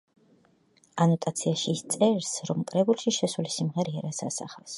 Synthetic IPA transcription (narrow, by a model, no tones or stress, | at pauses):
anɔt̪ʼat̪sʰiaʃiːst̪sʼɛɾsɾɔmkʼɾɛbulˠʃiʃɛsulisimʁɛɾiɛɾasa̰sa̰χɛs